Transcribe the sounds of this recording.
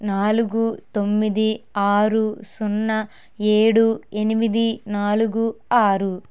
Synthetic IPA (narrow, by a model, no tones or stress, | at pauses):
naːluɡut̪o̞mːid̪iaːɾusunːɐ | eːɽue̞nimid̪inaːluɡuaːɾu